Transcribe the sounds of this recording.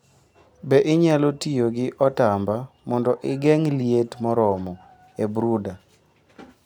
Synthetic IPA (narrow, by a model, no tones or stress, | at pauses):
bɛʔɪɲalotijoɡɪʔɔtambamɔndɔʔɪɡɛŋlietmɔɾɔmɔ | ebɾuda